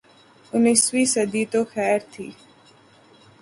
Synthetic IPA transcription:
ʊnːɪsʋiːsəd̪iːt̪oːxɛːɾt̪ʰḭː

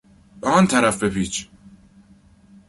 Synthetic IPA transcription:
ɒːnt̪ʰæɾæfbepiːt͡ʃʰ

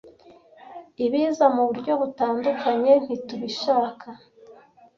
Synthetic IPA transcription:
iβiːzamuβuɾɟo̞βutaːndukaɲe̞n̥hituβiʃaːkʰa

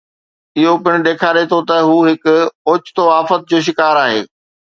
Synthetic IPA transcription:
ɪɦopɪɽ̃̆ɗ̪eːkʰaːɾet̪ʰot̪ɐɦuːɦɪkʊʊːt͡ɕt̪oaːfət̪̚d͡ʑoːʃ̬ɪkaːɾaːɦḛː

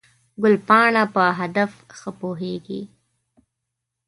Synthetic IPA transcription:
ɡʊlpɑɳapəɦad̪afxəpoɦeɡḭ

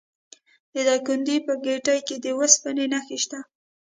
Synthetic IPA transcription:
d̪̥əd̪akʊnd̪ipəɡeʈajked̪əwəspənenaxeʃt̪a

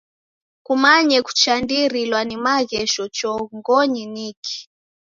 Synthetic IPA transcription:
kumaɲɛku̥t͡ʃandiɾilwanimaɣɛʃɔt͡ʃɔŋɡɔɲinikʰi̥

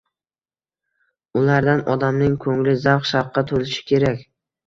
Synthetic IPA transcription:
ʊlaɾd̪anɒd̪amnɪŋkʰɵŋlɪzawχʃɑwqʰːɑt̪ʰolɪʃɪ̥kʲʰe̞ɾakʲ

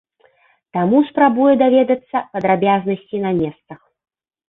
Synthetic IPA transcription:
t̪amuspɾabujɛd̪avʲɛd̪ɐt̪sːɐpɐd̪ɾabʲaznɐsʲt͡sʲinɐmʲɛst̪sɐx

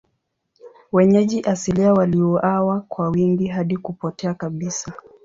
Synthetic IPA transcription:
wɛɲɛʄiʔasiliawaliɔʔawakwawiŋɡiɦaɗikupɔtɛakaɓisa

